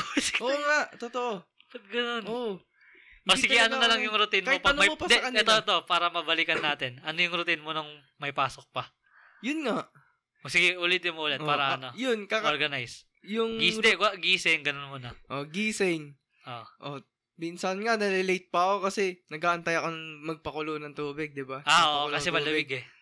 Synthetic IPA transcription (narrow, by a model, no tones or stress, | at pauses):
skʔoŋaʔt̪ot̪o̞ʔo | pɐt̪̚ɡɐnono | mɐsɪɡɐjɐnonɐlɐŋjʊŋɾʊt̪inkɐɪotpɐnoɐopɐd̪kɐnɛt̪oɛt̪opaːɾɐmɐbɐlɪkɐnːaːt̪ɪnɐnojʊŋɾʊt̪inmonʊŋ | mɐjpaːsok̚pɐ | jʊnŋaʔ | sɪɡɪʔʊlɪt̪jʊŋʔuːlɛt̪paːɾɐɐnojʊnkakoɾɡɐnajs | jʊŋɡisd̪ɛkɡiːsɛjŋɡɐnonmonɐʔo̞ɡiːsɛŋ | ʔoʔo | minsɐnŋanɐɾɛlejt̪̚pɐɐko̞kɐsɛnɐɡaːʔɐnt̪ajɐko̞nɐŋmɐɡ̚pɐkʊlonɐŋt̪uːbɪɡ̚d̪ɪbaʔaʔoʔkɐsɛmɐlɐbɪɡɛ